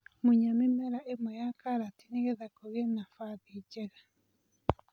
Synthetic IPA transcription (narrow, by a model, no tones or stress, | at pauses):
muɲamimɛɾaʔemwɛjakaɾatineɣɛðakoɣɛnafaðid͡ʒɛɣa